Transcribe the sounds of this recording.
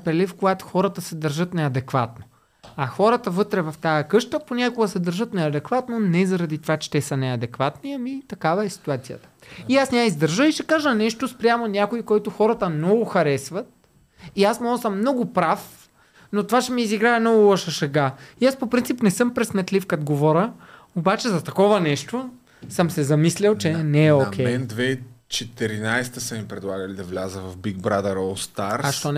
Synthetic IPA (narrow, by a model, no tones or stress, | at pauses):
pɾɛlifkoɡat̪o̥xɔɾət̪əsɛd̪ɐɾʒɤt̪nɛɐd̪ɛkva̰t̪̚no | ɐxɔɾət̪əvɤt̪ɾɛvɐft̪ajɐkɤʃt̪əponʲakʊɡəsɛd̪ɐɾʒɤt̪nɛɐd̪ɛkvat̪nonɛzɐɾɐd̪it̪ovat͡ʃɛ̥t̪ɛsɐnɛɐd̪ɛkvat̪niɐmit̪ɐkavɐɛsi̥t̪uat̪sijə̰t̪ə̥iasnʲaizd̪əɾʒəiʃɛkaʒənɛʃt̪ospɾʲjamonʲakoikɔjt̪ʊxɔɾɐt̪əmnɔɡʊxɐɾɛsvət̪̚ | iasmɔsəmːnɔɡʊpɾaf | not̪ovat͡ʃɛmiːziɡɾaɛmnɔɡʊlˠɔʃɐʃɐɡaiaspopɾint̪ipnɛsɤmpɾɛsmɛt̪lifkɐt̪ɡovɔɾə | obat͡ʃɛzɐt̪ɐkɔvɐnɛʃt̪o | sɤmsɛzɐmislʲɛlˠt͡ʃɛnɛɛokʲɛjɛnd̪vɛt͡ʃɛt̪ɛɾinajst̪əsəmipɾɛd̪lˠaɡəlid̪ɐvlʲazəvɐvbiɡ̚bɾad̪ɛɾɔlˠst̪aɾaʃt̪ɔn